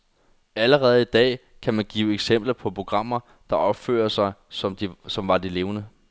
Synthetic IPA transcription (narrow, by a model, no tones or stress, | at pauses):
æləʁɛːð̞̩ˠid̥ɛ̰ː | kʰæmænɡ̥ḭːʊeɡ̥sem̰b̥lɐpʰɒ̽pʰo̝ɡ̥ʁɑ̈m̰ɐ | d̥ɑ̈ʔɒ̽b̥fø̰ːɐsɑ̈ɪsɒ̽md̥isɒ̽mʋɑ̈d̥ile̝ːʊnə